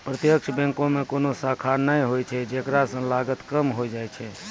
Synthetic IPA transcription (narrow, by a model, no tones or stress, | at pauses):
pɾət̪jəkʃbɛ̃ŋkõmẽkonosakʰanəĩɦojt͡ʃʰɛd͡ʒeːkɾasə̃ŋlaɡət̪kəmɦoid͡ʒaːjt͡ʃʰɛ